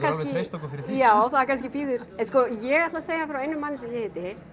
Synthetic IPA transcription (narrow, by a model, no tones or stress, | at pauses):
kʰanskɪjawθaðkans̬cɪfiːðʏɾ̥skɔjɛɛɾɛht̪laseːjafɾawejnʏmanːɪsɛmjɛhɛːt̪ɪ